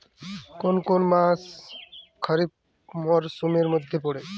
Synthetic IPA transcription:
konkonmas | kʰʌɾib̚ | mɔɾsumeɾmod̪ʱːepoɽe

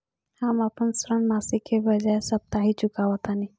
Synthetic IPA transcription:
hamapəɳsɾənmasikʰebəd͡ʒajsəp̚t̪aɦit͡ʃukaʋət̪ani

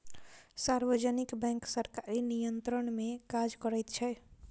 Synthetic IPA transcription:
saɾʋəd͡ʒənikbɛ̃ŋksəɾkaɾinijənt̪ɾəɳmẽkad͡ʒkəɾəjt̪t͡ʃʰɛ

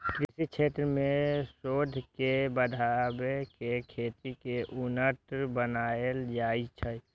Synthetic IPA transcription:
kɾsit͡ʃʰet̪ɾəmẽsoːd̪ʱkebəd̪ʱabekekʰeːt̪ikeʔʊnəʈbənaeld͡ʒaːit͡ʃʰə

